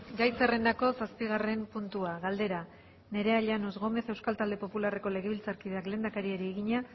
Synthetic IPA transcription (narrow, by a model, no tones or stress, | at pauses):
ɡajt͡sere̞nd̪ako̞saspiɣ̞are̞mpunt̪uaɣald̪e̞ɾa | ne̞ɾe̞aʎanosɣo̞me̞θe̞wskalt̪ald̪e̞po̞pulare̞ko̞le̞ɣe̞βilt͡saɾkiðe̞akle̞ːnd̪akaɾieɾieɣiɲa